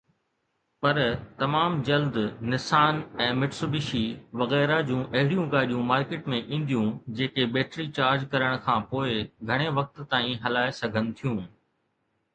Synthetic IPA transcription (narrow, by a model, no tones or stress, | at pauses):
pɐɾt̪ɐmaːmd͡ʑɐld̪nɪsaːnɛ̃ːmɪʈsʊbɪʃiʋɐɣɛːɾad͡ʑũʔɐɦɪɽijũɡaːɗijũmaːɾkeːʈmẽʔĩːn̆d̪ijũd͡ʑeːkebeːʈɾit͡ɕaːɾd͡ʑkɐɾəɽ̃kʰãːpoːɪɡʱɐɽ̃eʋɐk̚t̪t̪aːĩɦɐlaːesɐɡʱənɪ̆t̪ʰijũː